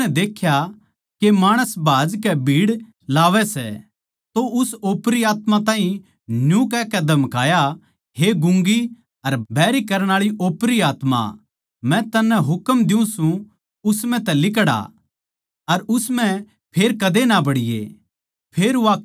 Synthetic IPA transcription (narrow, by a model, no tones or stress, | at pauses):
ɛd̪eːkʰja | kemaːɽ̃əsbaːd͡ʒkɛbʱiːɽ | laːʋɛsɛ̰ | t̪oʔʊsoːpɾiaːt̪mãt̪ãːɦĩ | njũkɛkɛd̪ʱɐmkaːja | ɦeɡʊ̃ŋɡi | ɐɾbʱɛːɾikɐɾəɽ̃aːɭiʔoːpɾiaːt̪ma̰ | mɛ̃t̪ɐnːɛɦʊkəmd̪ɪũsũ | ʊsmɛ̃t̪ɛlɪk̬ɽa̰ | ɐɾʊsmɛ̃ | pʰeːɾkɐd̪enabɐɽɪjḛ | pʰeːɾʋaː